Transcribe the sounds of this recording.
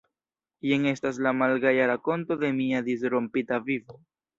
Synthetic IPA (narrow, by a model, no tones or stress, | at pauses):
jeŋe̞staslamalɡajaɾako̞nto̞de̞miad̪is̬ɾompitavivo